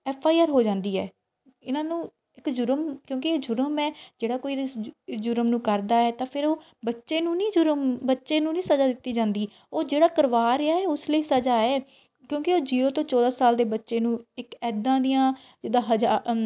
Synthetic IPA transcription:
ɛːpʰaːiaːɾɦoːd͡ʒãːnd̪iːɛː | ɪnãːnũː | ɪkd͡ʒʊɾəmkjõːkɪeːd͡ʒʊɾəmɛːd͡ʒeːɽaːkoːiːɪsd͡ʒʊɾəmnũːkəɾd̪aːɛːt̪ãːpʰɪɾoː | bətːʃeːnũːnĩːd͡ʒʊɾəmbətːʃeːnũːnĩːsəd͡ʒaːd̪ɪt̪ːiːd͡ʒãːnd̪iː | oːd͡ʒeːɽaːkəɾʋaːɾɪaːɛːʊsləiːsəd͡ʒaːɛː | kjõːkɪoːd͡ʒiːɾoːt̪õːt͡ʃɔːd̪aːsaːld̪eːbətːʃeːnũːɪkɛːd̪ãːd̪ijãː | d͡ʒɪd̪aːɦəd͡ʒaː

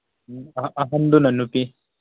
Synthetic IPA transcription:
ɐɦɐnd̪unɐnːupi

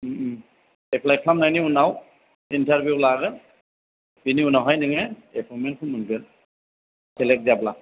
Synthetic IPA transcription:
epʰlajkʰlamnajniunaw | intʰaɾbjuwlaɡɯn | biniunawɦajnɯŋeepʰɔmenkʰɯnmɯnɡɯn | sɛlɛk̚dijabla

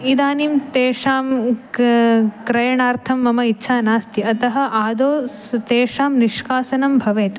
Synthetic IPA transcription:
id̪aːnimt̪eːʂaːm | kɾɐjɐɳaːɾt̪ʰɐmːɐmɐitːʃʰaːnaːst̪iɐt̪ɐɦɐ̆ʔaːd̪oːt̪eːʂaːmniʂkaːsɐnɐmbʱɐʋeːt̪

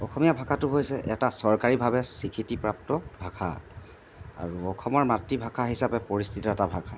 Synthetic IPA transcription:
ɔxʰɔmijabʱakʰatʊɦojsɛʔɛtasɔɹkaɹibʱabɛsikʰitipɹap̚tɔbʱakʰa̰ | a̰ɹuɔxʰɔmɔɹmatɹibʱakʰaɦisapɛpoɹistʰitɔɛtabʱakʰa

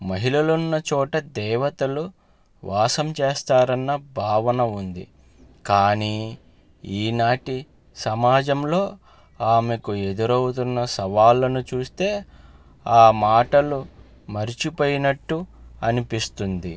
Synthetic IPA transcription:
mɐɦilɐlunːɐt͡ʃɔːʈɐd̪ɛːʋɐt̪ɐlu | ʋʔaːsɐmt͡ʃeːst̪aːɾɐnːɐbʱaːʋɐnɐund̪ḭ | kaːniː | iːnaːʈi | sɐmaːd͡ʒɐmlo̞ː | aːmekue̞d̪uɾɐwut̪̬unːɐsɐʋaːlːɐnut͡ʃuːst̪e̞ː | aːmaːʈɐlu | mɐɾit͡ʃipoːjinɐʈːuɐnipist̪und̪i

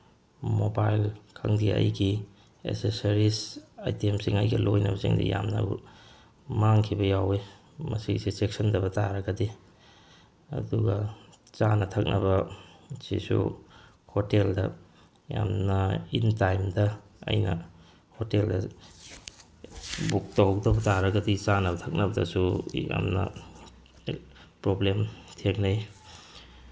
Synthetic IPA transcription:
mobajlkʰɐŋdiɐ̰jɡi | ḛsesaɾisajtemsiŋɐjɡɐlojnɐbɐsiŋdḭja̰mnɐ̰u | maŋkʰibɐjawe | mɐsisisek̚sɐndɐbɐtaɾɐɡɐdi | ɐ̰duɡɐ | t͡ʃanɐtʰɐk̚nʔɐbɐsḭsṵ | hoteldɐ̰ | ja̰mnɐintajmdɐ | ɐ̰jnɐ̰ | hoteldɐ | buk̚tawdɐbɐtaɾɐɡɐdit͡ʃanɐbɐtʰɐk̚nɐbɐdɐ̰suja̰mnɐ̰ | pɾoblemtʰeknaj

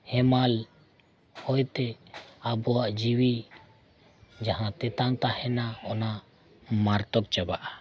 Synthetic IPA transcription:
hɛmal | hɔjt̪eabɔwaʔd͡ʒiwi | d͡ʒaɦãt̪ɛt̪aŋt̪ahɛnaɔna | maɾt̪ɔk̚t͡ʃabaʔa

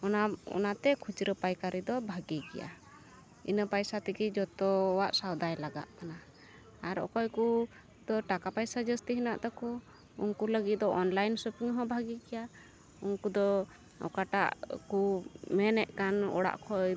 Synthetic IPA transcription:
ɔnaɔ̰nat̪ɛkʰut͡ʃɾəpajkaɾid̪ɔbʱaɡiɡɛ̰ja̰ | ḭnəpajsat̪ɛɡid͡ʒɔt̪ɔɔwaʔsawd̪ajlaɡa̰ʔkana | aɾɔ̰kɔjku | d̪ɔʈakapajsad͡ʒəst̪iɦinaʔt̪ɔkɔ | ṵnkuləɡit̪̚d̪ɔʔɔnlajnsəpiŋɦɔ̃bʱaɡiɡɛja | unkud̪ɔ | ɔ̰kaʈaʔkumɛnɛʔkanɔ̰ɽa̰ʔkʰɔj

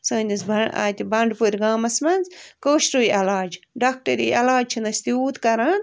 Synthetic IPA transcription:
sɐ̃ːnʲisbɐa̰ːt̪ibɐɳɖpuɾʲɡaːmɐsmɐnzkoːʃʈojɐlaːd͡ʒɖaːk̚ʈɐɾijʔɐlaːd͡ʒt͡ʃʰinɐst̪iuːt̪kɐɾɐn

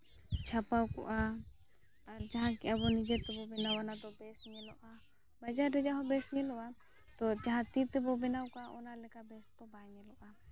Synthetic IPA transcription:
t͡ʃʰapawkɔ̰ʔa | aɾd͡ʒaɦãkɛʔabɔnid͡ʒɛt̪ɛbɔbɛnawanad̪ɔbɛsŋɛlɔʔa | bad͡ʒaɾɾɛd͡ʒaɦɔ̃bɛsɲɛlɔʔa | t̪ɔd͡ʒaɦãt̪it̪ɛbɔbɛnawkɔaʔɔnalɛkabɛst̪ɔbaŋɛlɔʔa

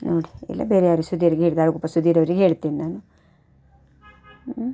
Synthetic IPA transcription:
noːɽiɛ̰lːa̰beːɾɛjaːɾisud̪iːɾiɡɦeːɭd̪ɐlɐɡopːɐsud̪iːɾɐʋɐɾiɡɦeːɭt̪iːninaːnu

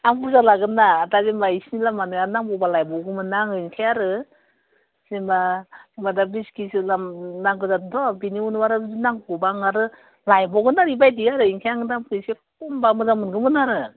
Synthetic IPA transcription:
amkuzalaɡɯnaːdazemaisnilamanɯanaŋbɔwbalajbɔwɡɯmɯnaŋɯinkʰajaɾɯ | simaimadabiskisilamnaŋɡɯzadɔbiniunwaɾazinaŋbɔbaŋaɾɯ | lajbɔɡɯnaɾibajdiaɾɯiŋkʰajaŋɯdamkɯsekɔmbamɯzamɯnɡɯmɯnaɾɯ

